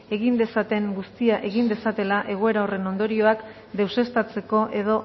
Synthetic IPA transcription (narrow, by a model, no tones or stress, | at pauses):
e̞ɣ̞ind̪e̞sat̪e̞ŋɡust̪iaʔe̞ɣind̪e̞sat̪e̞laʔe̞ɣ̞oe̞ɾao̞re̞no̞nd̪o̞ɾio̞ak | d̪e̞wse̞st̪at͡se̞ko̞ʔe̞ð̞o̞